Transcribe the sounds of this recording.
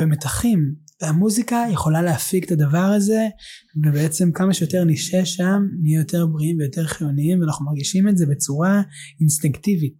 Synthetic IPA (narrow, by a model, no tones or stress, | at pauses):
bemetaχimamuzikajeχo̞laleafikt̪adavaʁaze̞vebeet͡se̞mkamaʃejo̞te̞ʁniʃeʃamːijote̞ʁbʁiimvejo̞te̞ʁχijoniimveanaχnumaʁɡiʃimetze̞be̞t͡suʁa | instiŋktivit̚